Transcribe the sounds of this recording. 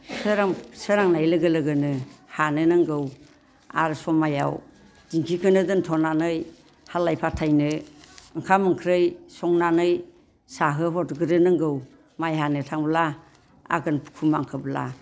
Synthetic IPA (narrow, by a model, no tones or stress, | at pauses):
sɯɾaŋsɯɾaŋnajlɯɡɯlɯɡɯnɯhanɯnɯŋɡɯw | a̰ɾsɔmaja̰w | d̥iŋkʰikʰɯnɯdɯntʰɔnanɯj | halːajpʰatʰajnɯɯŋkʰamɯŋkʰɾɯjsɔŋnanɯj | saɦɯɦɔtɡɯɾɯnɯŋɡɯw | majɦanɯtʰaŋbla | a̰ɡɯnpʰu̥kʰumaŋkʰɯbla̰